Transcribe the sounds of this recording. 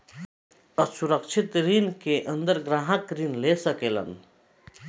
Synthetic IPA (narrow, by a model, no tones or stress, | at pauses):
əsuɾəkt͡ʃʰit̪ɾinkeʔə̃nd̪əɾɡɾaːɦãkɾinlesəkeːlɐ̰n